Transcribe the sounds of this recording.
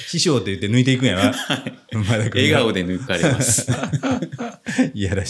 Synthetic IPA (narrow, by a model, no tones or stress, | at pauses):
ɕiɕoːt̪ːejɯ̟t̪ːe̞nɨ̟it̪eikɯ̟ɰ̃jaβaamad̪akɯeɡaod̪e̞nɯikaɾeas | ijaɾaɕ